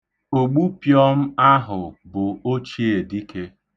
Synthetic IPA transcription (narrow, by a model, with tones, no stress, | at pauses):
o˨ɡ͡bu˦pjɔ˦m̩˦a˦ɦʊ˨bʊ˨o˦t͡ʃi˦e˨di˦ke˦